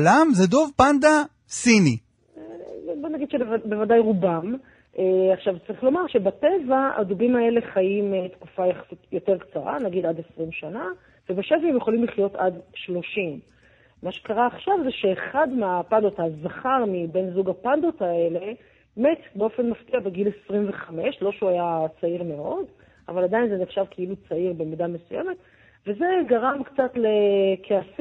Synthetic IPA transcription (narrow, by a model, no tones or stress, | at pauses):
lamzedo̞vpand̪a | sini | ebo̞naɡid̪ʃebevbevadajʁubam | ʔeaχʃavt͡saʁiχlo̞maʁʃe̞batevaa̰dubimae̞le̞χajimtkufajaχsitjo̞te̞ʁkt͡saʁa̰naɡidadesʁimʃana | vebeʃevahemjeχolimliχjo̞tadʃlo̞ʃimː | aʃe̥kaʁaːχʃavzeʃe̞ːχadmeapandot̪azaχaʁmibe̞nzuɡapando̞tae̞le̞ | metbeo̞fe̞nmaftiabeɡile̞sʁimveχame̞ʃlo̞ʃeuajat͡saiʁme̞o̞d | ʔa̰valadajinzeneχʃavkʰeilut͡saiʁbe̞midame̞sujeme̞t̪ | ve̞ze̞ɡaʁamkt͡sat̪le̞kʰeas